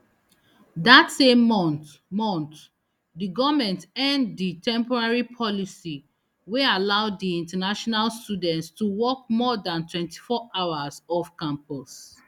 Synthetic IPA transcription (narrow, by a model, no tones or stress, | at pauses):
datsemːɔ̃nt | mɔ̃nt̪ | diɡɔvmɛ̃ntɛ̃ndditʰɛ̃mpɔɹaɹipʰɔlisi | wealaʊdiĩntanaʃɔnalstudɛ̃ntstuwɔk̚mɔdãntwɛ̃nti̥fɔʔaʊazɔfkãmpɔs